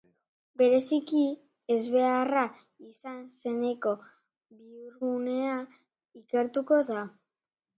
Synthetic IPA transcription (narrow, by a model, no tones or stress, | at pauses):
be̞ɾe̞siki | ezβe̞ara | isanse̞ne̞ko̞ | biuɾɣune̞a | ike̞ɾt̪uko̞ða